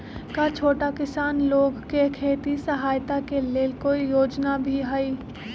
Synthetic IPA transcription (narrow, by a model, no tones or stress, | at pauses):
kat͡ʃʰoːʈakɪsaːnloːɡkekʰeːt̪isəɦaːjt̪akeleːkoːijoːd͡ʒnabʱiɦɛiː